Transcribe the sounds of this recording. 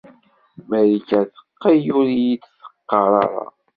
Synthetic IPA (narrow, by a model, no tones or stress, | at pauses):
mæɾikæθə̥qːijuɾijit͡sːθə̥qːɑɾˤɑ̰ɾˤɑ̰